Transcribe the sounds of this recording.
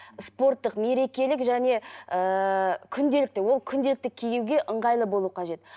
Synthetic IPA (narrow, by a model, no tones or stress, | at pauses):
spo̞rt̪ːəqme̞ɾe̞kʲe̞lɪkʒæne̞əkʲʰʏnd̪e̞lɪk̚t̪ɪwo̞lˠkʲʰʏnd̪e̞lɪk̚t̪ɪkʲʰejuwɡʲe̞ʔəɴʁɑjlˠəbo̞lˠuqʰɑʒe̞t̪